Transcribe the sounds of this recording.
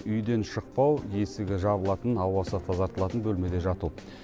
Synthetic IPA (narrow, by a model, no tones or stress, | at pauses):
ʏjd̪e̞nʃəq̚pɑwje̞sɪɡʲɪʒɑbəlˠɑt̪ənɑwɑsət̪ʰɑzɑɾt̪əlˠɑt̪ənbɵlme̞d̪e̞ʒɑt̪u